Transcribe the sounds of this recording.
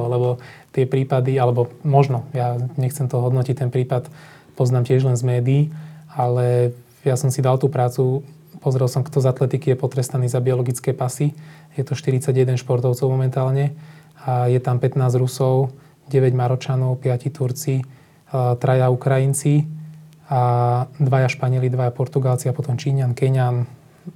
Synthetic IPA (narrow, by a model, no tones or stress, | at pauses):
lɛbɔt̪ɪɛpɾiːpad̪ialɛbɔmɔʒnɔjaɲɛxt͡sɛmt̪ɔɦɔd̪nɔcic̚t̪ɛnpɾiːpat̪ | pɔznaːmcɪɛʒlɛnzmɛːd̪iːalɛ | jasɔmsid̪alt̪uːpɾaːt͡su | pɔzɾɛlˠsɔmkt̪ɔzat̪lɛt̪ikijɛpɔt̪ɾɛst̪aniːzabiɔlɔɡit͡skɛːpasijɛt̪ɔʃt̪iɾit͡saɟjɛd̪ɛnʃpɔɾt̪ɔʊt͡sɔʊmɔmɛnt̪aːlɲɛ | ajɛt̪ampɛt̪naːzɾusɔʊ | ɟɛʋɛɟmaɾɔt͡ʃanɔʊpɪacit̪uɾt͡si | t̪ɾajaukɾajint͡si | ad̪ʋajaʃpaɲɪɛlid̪ʋajapɔɾt̪uɡalt͡siapɔt̪ɔmt͡ʃiːɲankɛɲan